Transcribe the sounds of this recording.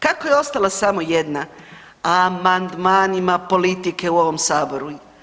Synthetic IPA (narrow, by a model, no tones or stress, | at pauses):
kakojeo̞st̪alasamo̞jed̪na | amand̪maːnimapo̞lit̪ike̞uo̞ʋo̞msaːbo̞ɾu